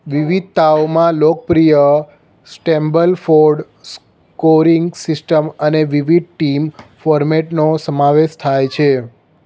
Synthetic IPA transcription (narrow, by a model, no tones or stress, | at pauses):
ʋiʋid̪̚t̪aomãlok̚pɾijə | sʈɛmbəlfoɾɖ | s | koɾiŋɡsisʈəməneʋiʋid̪̚ʈimfɔɾmeʈnosəmãʋeʃt̪ʰajt͡ʃʰe